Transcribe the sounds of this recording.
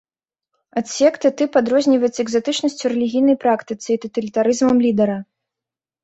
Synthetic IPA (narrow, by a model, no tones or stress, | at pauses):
at̪sʲɛkt̪ɨt̪ɨpad̪ɾɔzʲnʲivɐjtt͡s̪ʲsʲɛɡzat̪ɨt͡ʂnɐsʲt͡sʲuɾɛlʲiɣʲijnɐjpɾakt̪ɨt̪sɨit̪ɔt̪ɐlʲit̪aɾɨzmɐmlʲid̪ɛɾɐ